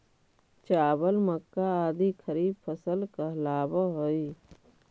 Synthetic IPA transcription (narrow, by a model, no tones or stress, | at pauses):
t͡ʃaːbəlməkːaaːd̪ikʰəɾiːb̚pʰəsəlkalaːbaɦoːi